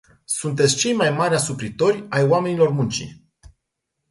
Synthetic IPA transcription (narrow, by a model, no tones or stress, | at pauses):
sunt̪̬e̞t̪sʲt͡ʃe̞jmajmaɾʲasupɾit̪o̞rʲajwame̞nilo̞rmunt͡ʃḭ